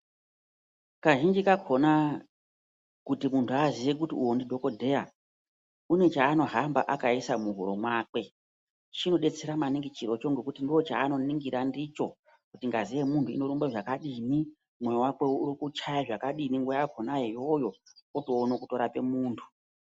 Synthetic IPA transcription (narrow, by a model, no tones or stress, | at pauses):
kaʒind͡ʒikakʰo̞na | kutimuntʰuaziʋe̞k̬utiuwondidʱo̞ko̞dʱe̞ja | une̞t͡ʃaːno̞ɦambaʔakaisamuɦṵɾo̞mwaːk̚we̞ | t͡ʃino̞ɗe̞t͡se̞ɾamaniŋɡit͡ʃiɾot͡ʃo̞ŋɡe̞kutindiwo̞t͡ʃa̰ːno̞niŋɡiɾandit͡ʃo̞ | kutiŋɡaziʋe̞muntʰuḭno̞ɾumbeʐakaɗini | mwe̞jowakwe̞uɾikut͡ʃajaʐakaɗiniŋɡojakʰonaejo̞jo̞oto̞ːnokuto̞ɾape̞muːntʰu̥